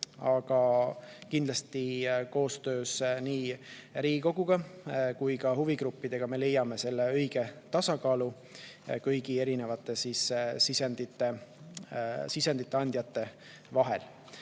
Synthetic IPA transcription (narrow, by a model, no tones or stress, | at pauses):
ɑɡ̥ɑkind̪lɑst̪iko̞ːst̪ø̞ːsniːɾiːko̞ɡ̥uɡ̥ɑkujkɑɦuviɡɾupːid̪̥e̞ɡ̥ɑme̞le̞jːɑme̞se̞lːe̞ɤ̞jɡ̥e̞t̪ɑsɑkɑːlu | kɤjɡ̥ie̞ɾine̞vɑt̪ːˑe̞sissisend̪̥it̪ːˑe̞ | sisend̪̥it̪ˑːeɑnʲd̪jɑt̪ːe̞ | vɑɦe̞l